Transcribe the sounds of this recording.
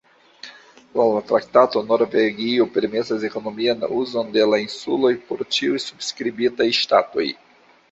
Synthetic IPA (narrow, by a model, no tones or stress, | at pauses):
lalatɾaktato̞no̞ɾveɡiope̞ɾme̞sase̞ko̞no̞mianuzo̞nde̞lainsulo̞jpo̞ɾt͡ʃiujsubskɾibitajʃtato̞̰j